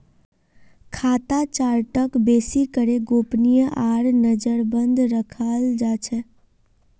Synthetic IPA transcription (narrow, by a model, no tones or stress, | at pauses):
kʰaːt̪at͡ʃaːɾʈəkbeːsikəɾeɡopnijəʔaːɾnəd͡ʒəɾbə̃nd̪ɾəkʰald͡ʒat͡ʃʰɛ